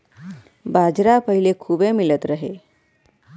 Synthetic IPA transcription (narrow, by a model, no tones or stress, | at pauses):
baːd͡ʒɾapəɦilekʰuːbemilət̪ɾəɦe